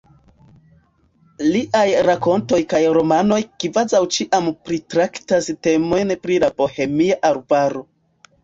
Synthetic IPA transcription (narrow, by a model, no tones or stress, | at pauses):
liʔajɾako̞nto̞jkajɾo̞mano̞jkivazawt͡ʃiʔampɾitɾaktaste̞mo̞jnpɾilapo̞he̞miaʔaɾbaɾo